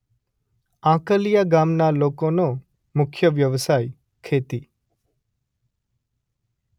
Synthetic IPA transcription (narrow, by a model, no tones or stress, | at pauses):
ãkəlijaɡamnalokono | mʊkʰjəʋjəʋsaj | kʰet̪i